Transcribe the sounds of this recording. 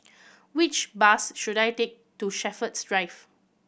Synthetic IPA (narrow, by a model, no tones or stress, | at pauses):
wɪt͡ʃbasʃudajtek̚tuʃɛfətsdɹaɪf